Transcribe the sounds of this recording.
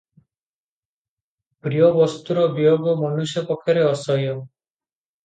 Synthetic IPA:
b̥ɾijɔbɔst̪uɾɔbijoɡɔmɔnusjɔpɔkʰːjɔɾeɔsɔjɔ

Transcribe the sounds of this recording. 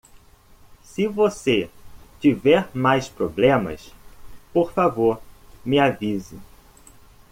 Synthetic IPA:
sɪvoset͡ʃivɛɾmajspɾoblẽmɐ̰spoɾfavoɾmɪavizɪ

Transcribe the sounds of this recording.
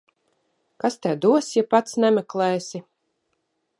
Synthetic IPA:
kast̪ɛwd̪uɔsjapat̪snɛmɛklˠɛːsʲi

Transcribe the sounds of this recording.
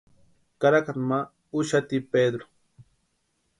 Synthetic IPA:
kaɾakaɾma | ʊʃat̪iped̪ɾo̥

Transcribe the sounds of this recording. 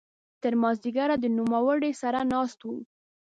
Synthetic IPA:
t̪əɾmɑzd̪iɡaɾad̪ənumawəɽesaɾanɑst̪wum

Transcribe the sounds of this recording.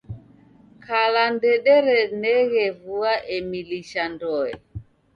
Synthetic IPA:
kʰalandɛɗɛɾɛnɛɣɛvuaʔɛmiliʃandɔɛ

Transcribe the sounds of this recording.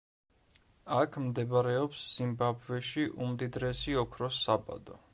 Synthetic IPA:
akʰmd̪ɛbaɾɛɔpsz̥imbabvɛʃiʔumd̪id̪ɾɛsiɔkʰɾɔsːaba̰d̪ɔ̰

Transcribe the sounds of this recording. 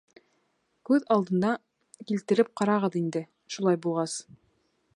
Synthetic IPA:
kʉðɑlˠd̪ɤ̆nd̪ɑ | kilt̪ɘ̆ɾɘp̚qɑɾɑʁɤðind̪ɘ | ʃulˠɑjbulˠʁɑs

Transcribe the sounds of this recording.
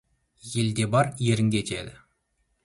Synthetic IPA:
je̞ld̪e̞bɑɾje̞ɾɪŋɡʲet̪ʲʰḛd̪ɪ

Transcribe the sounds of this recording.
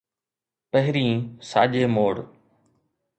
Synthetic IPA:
pəɦɪɾĩːsa̰ːʄeːmoːɽ

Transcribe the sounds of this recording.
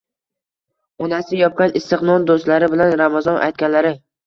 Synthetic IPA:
ɒnasɪjɒp̚kʲanɪst̪ɪqnɒnd̪ost̪laɾɪbɪlanɾamazɒnʔa̰jt̪̚kʲanlaɾɪ

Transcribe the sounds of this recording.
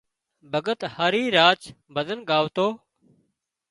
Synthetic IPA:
bʱəɡət̪haːɾiːɾaːt͡ʃ | bʱəd̪ənɠaːʋt̪oː

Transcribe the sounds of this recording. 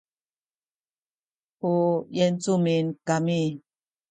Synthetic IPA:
hujɛnt͡suminkami

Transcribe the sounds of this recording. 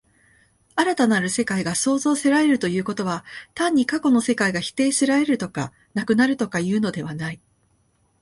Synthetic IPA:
aɾat̪anaɾɯ̟se̞kaiɡaso̞ːzo̞ːseɾaɾe̞ɾɯ̟t̪o̞jɯ̟ːko̞t̪o̞βat̪ãɲ̟ːikako̞no̞se̞kaiɡaçi̥t̪e̞ːɕiɾae̞ɾɯ̟t̪o̞ka | nakɯ̟naɾɯ̟t̪o̞kajɯ̟ːno̞d̪e̞β̞anai

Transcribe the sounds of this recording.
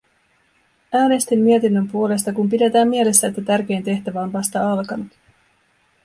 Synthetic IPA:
æːne̞st̪imːiet̪inːø̞mpuo̞le̞st̪ɑkumpide̞t̪æːmːie̞le̞sːæet̪ːæt̪ærk̟e̞jnt̪e̞ht̪æʋæo̞nʋɑst̪ɑɑlkɑnut̪

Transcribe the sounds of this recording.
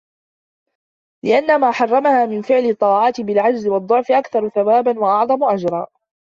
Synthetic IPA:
lɪʔanːamaːħɑrˤːɑmahaːmɪnfɪʕlɪt̪ˤːɑːʕɑːt̪ɪbɪlʕad͡ʒzɪwɑd̪ˤːʊʕfɪʔakθɑɾˤʊθawaːbanwaʔɑʕðˤɑmʊʔad͡ʒɾˤɑː

